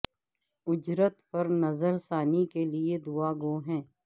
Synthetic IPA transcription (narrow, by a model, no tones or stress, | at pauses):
ʊd͡ʒɾət̪pɐɾnɐzəɾsaːnikelied̪uaːɡoːɦɛ̃ː